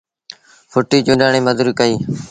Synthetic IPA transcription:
fʰʊʈiːd͡ʒʊːɗaːɳĩːməd̪uɾiːkəiː

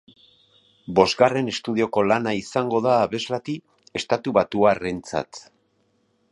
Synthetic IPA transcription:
bo̞zɡare̞ne̞st̪uð̞io̞ko̞lanaisaŋɡo̞ðaːβe̞zlat̪i | e̞st̪at̪uβat̪uare̞nt͡sa̰t̪

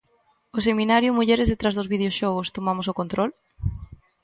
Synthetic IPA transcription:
ʊsemĩnaɾjʊmuʎeɾezðet̪ɾazðʊzβiðeoʃɔɣost̪omamosʊkont̪ɾɔl

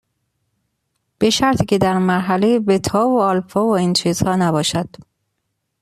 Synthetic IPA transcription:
b̥e̞ʃæɾt̪ʰiːcʰe̞d̪æɾmæɾɦælejebet̪ʰɒːvoɒːlfɒːvoint͡ʃʰiːz̥hɒːnæbɒːʃæd̪̥

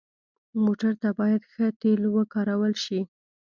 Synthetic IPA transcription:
moʈaɾt̪abɑjad̪xət̪elwəkɑɾawəlʃi

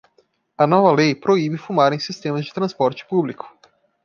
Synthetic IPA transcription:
ɐnɔvɐlejpɾoibɪfumaɾẽj̃sist̪ẽmɐzd͡ʒɪt̪ɾɐ̃spɔɾt͡ʃɪ̥publikʊ̥

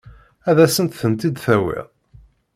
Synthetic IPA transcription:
æðæsənt̪θənt̪id̪θæwḭʁ

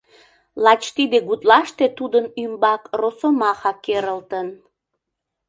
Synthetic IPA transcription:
lɑt͡ɕt̪id̪eɣut̪lɑʃt̪et̪ud̪ənymbɑkrosomɑxɑkeɾəlt̪ən

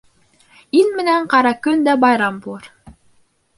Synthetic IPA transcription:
ilmɘ̆næɴqɑɾɑkɵnd̪æbɑjɾɑmbulˠɤɾ

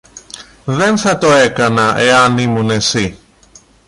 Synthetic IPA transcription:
ðenθɐt̪oekɐnɐʔeɐnimunesi

